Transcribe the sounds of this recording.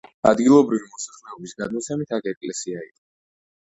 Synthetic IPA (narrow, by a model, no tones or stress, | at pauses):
a̰d̪ɡilˠɔbɾivimɔsaχlɛɔbisɡad̪mɔt̪sʰɛmit̪ʰakʰɛkʼlɛsiaḭqʼɔ